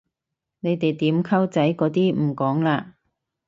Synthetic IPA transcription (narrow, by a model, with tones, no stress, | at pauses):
ne˨˧jt̪e˨jt̪iː˨˥mkʰɐ˥wt͡sɐ˨˥jkɔː˨˥t̪iː˥m̩˨˩kɔː˨˥ŋlaː˧